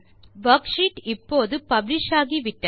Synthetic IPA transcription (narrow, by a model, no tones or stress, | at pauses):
bɐkʂiːʈɪpːoːðɯpɐblɪʃaːɣiʋɪʈːɐ